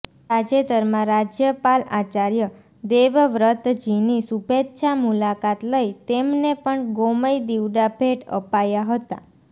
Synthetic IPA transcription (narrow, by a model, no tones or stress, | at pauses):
sad͡ʒet̪əɾmãɾad͡ʒjəpalat͡ʃaɾjə | d̪eʋʋɾət̪d͡ʒinisubʱet̪ʃamulakat̪ləit̪emnepəɳɡoməjd̪iʋɖabʱeʈə̰pajaɦət̪a̰